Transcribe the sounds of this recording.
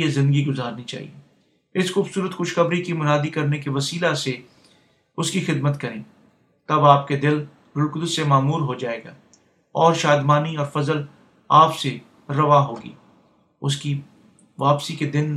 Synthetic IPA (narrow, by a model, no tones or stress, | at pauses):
ezɪ̃nd̪əɡiɡʊzaːɾnit͡ʃa̰ːɦḭe | ɪsxuːbsuːɾət̪xʊʃxɐbɾikimʊnaːd̪ikɐɾnekeʋɐsiːlase | ʊskixɪd̪mət̪kɐɾẽː | t̪ɐbaːp̚ked̪ɪl | ɾʊlkʊd̪ʊsːemaːmuːɾɦod͡ʒaːeːɡa̰ː | ɔːɾʃaːd̪maːniɔːɾfɐzəl | aːpse | ɾɐʋaːɦoːɡḭː | ʊski | ʋaːpsiked̪ɪn